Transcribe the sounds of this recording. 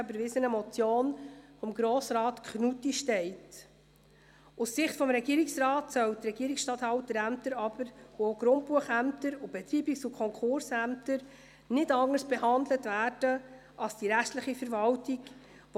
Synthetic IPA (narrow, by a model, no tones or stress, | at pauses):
bəɾvɪsənəmɔt͡sjoːnfɔmɡɾoːsɾɑːtkχnutiʃtɛɪt | usːɪχtfɔmɾɛɡ̥iːəɾɪksɾɑːtsœwtɾɛɡiəɾiksʃtɑthɑltəɾæmtəɾɑb̥əɾvooɡ̥ɾʊnt̚puəχæmtəɾub̥ɛtɾiːbiksukʰɔŋkχʊɾsæmtəɾ | nɪdɑŋəɾsb̥ɛhɑndlətvæːɾd̥ə | ʔɑsd̥iɾæχtləχifəɾvɑwtik